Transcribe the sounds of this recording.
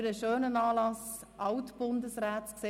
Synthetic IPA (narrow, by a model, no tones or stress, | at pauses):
ɾəʃøːnənɑːlɑsʔɑwtb̥ʊndəsʁɾɛːtskse